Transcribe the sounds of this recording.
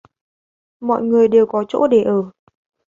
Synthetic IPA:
mɔ̰˧˨jŋɨ˨˩əjɗe˨˩wkɔ˨˦t͡ɕo̰˧˥ɗe˧˩ʔəː˧˩

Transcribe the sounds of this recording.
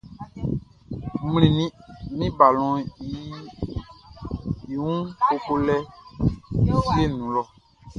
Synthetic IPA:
mu˦lĩ˨nĩ˦mĩ˦ba˨lɔ̃˨i˨˦ | i˨wũ˦ko˧ko˧lɛ˦˨ | zi˦e˦˨nũ˨˦lɔ˨

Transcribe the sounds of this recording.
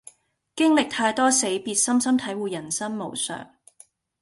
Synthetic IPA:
kɪ˥ŋlɪ˨k̚t̪ʰaː˧jt̪ɔː˥se˨˥jpiː˨t̚sɐ˥msɐ˥mt̪ʰɐ˨˥jwuː˨jɐ˨˩nsɐ˥nmo˨˩wsœ̰ː˨˩ŋ

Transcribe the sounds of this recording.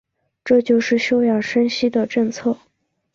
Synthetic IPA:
ʈ͡ʂɤ˥˧t͡ɕjo˥˧ʊʂɻ̩˥˩ɕjo˥ʊjɑ˨˩ŋʂə˥nɕi˥d̪ə˨ʈ͡ʂɤ˥˧ŋt͡sʰɤ˥˩

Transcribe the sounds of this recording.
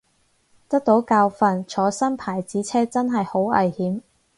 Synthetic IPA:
t̪ɐ˥k̚t̪o˨˥wkaː˧wfɐ˨˧nt͡ʃʰɔː˨˧˥sɐ˥npʰaː˨˩jt͡siː˨˥t͡sʰɛː˥t͡sɐ˥nɦɐ˨jho˨˥wɐ̰˨jhiː˨˥m

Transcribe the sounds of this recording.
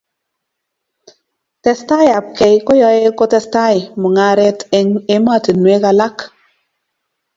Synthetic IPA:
tɛ˨sta˦ja˨p̚ke˨jko˦jɔ˨e˦ko˦tɛ˦sta˦jmu˨ŋa˨ɾɛ˦te˦ma˦˨ti˨nwe˦ka˨la˦k

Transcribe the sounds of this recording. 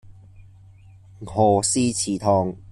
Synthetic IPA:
ŋ̩˨hɔ˨˩siː˦t͡ɕʰiː˨˩t̪ʰɔ˧˩ŋ

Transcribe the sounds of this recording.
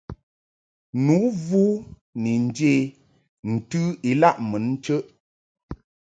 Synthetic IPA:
nu˨˦vuː˦ | ni˨n̩˦de˦˨ | n̩˨tʉ˦i˨la˦˨ʔmə˨˦n̩˦t͡ʃə˦ʔ

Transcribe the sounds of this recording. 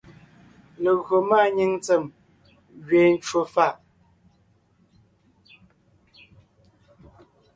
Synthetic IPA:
lə˨ɣɰo˨ma˦˨ɲi˦ŋt͡sə˨m | ɣɥeː˨n̩˦t͡ʃwo˨fa˦˨ʔ

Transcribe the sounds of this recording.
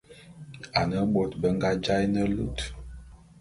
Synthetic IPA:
a˨nə˦ɓo˨tbə˦ŋ˦ɡa˦d͡ʒa˦jnə˦lṵ˦˨t

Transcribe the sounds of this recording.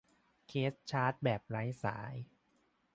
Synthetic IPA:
kʰeː˦˥s̚t͡ɕʰaː˦˥t̪̚bɛː˨˩p̚ɾa˦˥jsa̰ː˩˦j

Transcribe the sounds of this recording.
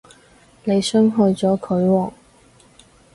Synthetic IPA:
ne˨˧jsœː˥ŋɦɵ˧t͡sɔː˨˥kʰɵ˨˧˥ɥwɔː˨˩ŋ

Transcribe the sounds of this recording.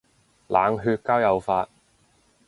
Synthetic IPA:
laː˨˥ŋɦyː˧t̚kaː˥wjɐ˨˧wfaː˧t̚

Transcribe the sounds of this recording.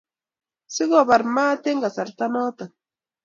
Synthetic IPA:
si˦ɡɔ˦˨ba˨ɾmaː˦te˦ŋɡa˨sa˨ɾta˦nɔ˦ta˨n

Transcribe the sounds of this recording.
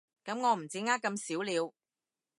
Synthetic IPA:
kɐ˨˥mŋɔː˨˧m̩˨˩t͡siː˨˥ŋaː˥kːɐ˧msiː˨˥wliː˨˧w

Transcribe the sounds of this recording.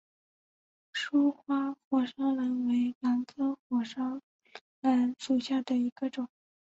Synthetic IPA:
ʂu˥xwa˥xwɔ˨˩ʂɑ˥ŋlə˧˥nwe˧˥ɪla˧˥nt͡sɤ˥xwɔ˨˩ʂɑ˥ŋ | la˧˥nʂu˨˩ɕja˥˩d̪ə˩i˧˥ɡə˧ʈ͡ʂʊ˨˩˦ŋ

